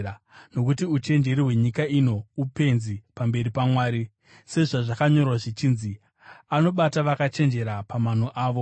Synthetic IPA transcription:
no̞kutiut͡ʃe̞nd͡ʒe̞ɾiɦwe̞ɲikaino̞upe̞nzipambe̞ɾipamwaːɾi | se̞ʐaʐakaɲo̞rwaʐit͡ʃiːnzi | ano̞ɓataʋakat͡ʃe̞nd͡ʒe̞ɾapaman̤oʔaːʋo̞

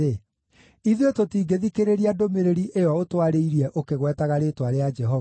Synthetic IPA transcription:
e | iðetotiːɡeðikeɾeɾiadomeɾeɾiʔeɔotwaɾeiɾiɛʔokeɣwɛtaɣaɾetwaɾead͡ʒɛɦɔ

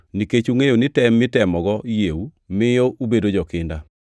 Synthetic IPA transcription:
niket͡ʃuŋejonɪtɛmːɪtɛmɔɡɔjeu | mɪjoʔubedod͡ʒɔkɪnda

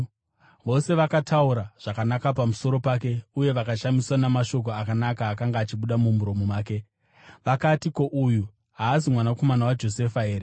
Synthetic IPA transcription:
ʋo̞se̞ʋakatʰauɾaʐ̥akanakapamuso̞ɾo̞pake̞uje̞ʋakaʃamiswanamaʃo̞k̬o̞akanakaːkaŋɡaːt͡ʃiɓuɗamum̤uɾo̞mumaːke̞ | ʋakatiko̞ʔuju | ɦaːs̬imwanako̞manawad͡ʒo̞se̞faɦe̞ːɾe

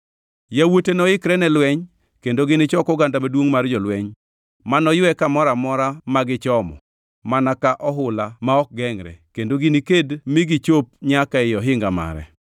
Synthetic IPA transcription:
jawotenɔɪkɾɛnɛlwɛɲ | kendoɡɪnɪt͡ʃɔkɔɡandamadwoŋmard͡ʒɔlwɛɲ | manɔjwɛkamɔɾamɔɾamaɡɪt͡ʃɔmɔ̰ | manakaʔɔɦʊlamaɔk̚ɡɛŋɾɛ̰kendoɡɪnikedmɪɡɪt͡ʃop̚ɲakaɪjɔɦɪŋɡama̰ɾɛ̰

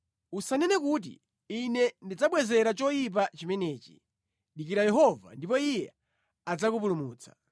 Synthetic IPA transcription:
usanɛnɛkut̬ḭ | inɛndid͡zaɓwɛzɛɾat͡ʃɔjip̬at͡ʃimɛnɛːt͡ʃḭ | ɗik̬iɾajɛɦɔva̰ndipɔijɛ | ad͡zakup̬ulumuːt͡sʰḁ

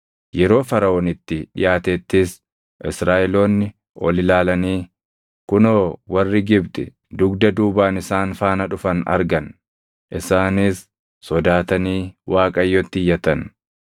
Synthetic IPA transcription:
jɛɾo̞ːfɐɾɐoːnɪt̪ːɪᶑɪ̰jaːt̪ɛːt̪ːɪs | ʔɪsɾaːʔɛlo̞ːnːɪ | ɔ̰lɪlaːlɐniː | kʊnoːwɐrːɪɡɪbt̪ʼɪ̰ | d̪ʊɡd̪ɐd̪uːbaːnɪsaːnfaːnɐᶑʊfɐnɐ̰ɾɡɐn | ʔɪsaːnɪsː | ɔd̪aːt̪ɐniːwʔaːkʼɐjːɔt̪ːɪjːɐt̪ɐn

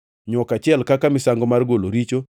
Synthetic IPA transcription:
ɲwɔkat͡ʃɪɛlkakamɪsaŋɡɔmarɡoloɾit͡ʃo

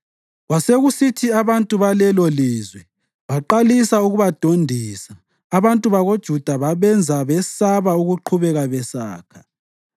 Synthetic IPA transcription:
ɣwaseɣusitʰiaβantʼuβalɛlɔliːzwɛ | βaǃalisauɣuβad̥ʱondʱiːsaː | βantʼuβaɣod̥ʒ̥ʱud̥ʱaβaβɛnd͡zʱaβɛsaβauɣuǃʰuβɛɣaβɛsa̰ːkʰḁ

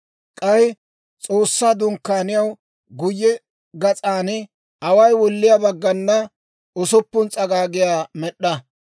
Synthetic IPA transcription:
kʼɐjɪ | t͡sʼo̞ːsːaːd̪ʊŋkːaːnɪjɐw | ɡʊjːɛ | ɡɐt͡sʼaːn | ɐwɐjwɔlːɪjabɐɡːɐnːɐ | ʊsʊpːʊnt͡sʼɐɡaːɡɪjaːmɛɗːɐ

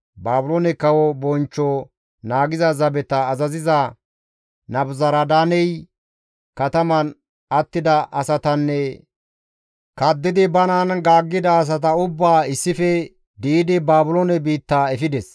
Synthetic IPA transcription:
baːbʊlonɛkɐwɔbɔnt͡ʃːɔ | naːɡɪzɐzɐbɛt̪ɐːzɐzɪzɐ | nɐbzɐɾɐd̪aːnɛj | kɐt̪ɐmɐn | ɐt̪ːɪd̪ɐʔɐsɐt̪ɐnːɛ | kɐd̪ːɪd̪ɪbɐnɐnɡaːɡːɪd̪ɐːs̬ɐt̪̬ɐʊbːaːɪsːɪfɛ | d̪iɪd̪ɪbaːbʊlonɛbiːt̪ːaːɛfɪd̪ɛs

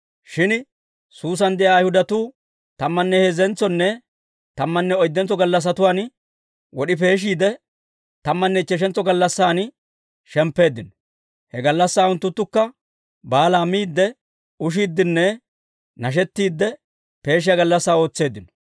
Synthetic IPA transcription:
ʃɪn | suːs̬ɐnd̪ɛjaːjhʊd̪ɐt̪uː | t̪ɐmːɐnːɛhɛzɛnt͡sːɔnːɛ | t̪ɐmːɐnːɛɔjd̪ːɛnt͡sːɔɡɐlːɐs̬ːɐt̪ʊwaːn | wɔɗɪp̬e̞ːʃ̬iːd̪ɛ | t̪ɐmːɐnːɛt͡ʃːɛʃ̬ɛnt͡sːɔɡɐlːɐsːaːn | ʃɛmpːe̞ːd̪ːɪnɔ̥ | hɛɡɐlːɐsːaːʊnt̪ːʊt̪ːʊkːɐ | baːlaːmiːd̪ːɛ | ʊʃ̬iːd̪ːɪnːɛ | nɐʃ̬ɛt̪ːiːd̪ːɛ | pe̞ːʃ̬ɪjɐɡɐlːɐsːaːo̞ːt͡sːe̞ːd̪ːɪnɔ̥

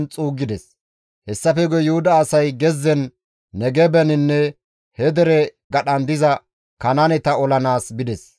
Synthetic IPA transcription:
nt͡sʼuːɡːɪd̪ɛs | hɛsːɐfɛɡɔjʊhʊd̪ɐːsɐjɡɛzːɛnː | ɛɡɛbɛnɪnːɛ | hɛd̪ɛɾɛ | ɡɐɗɐnd̪ɪzɐ | kɐnɐnɛt̪ɐɔlɐnaːsbɪd̪ɛs

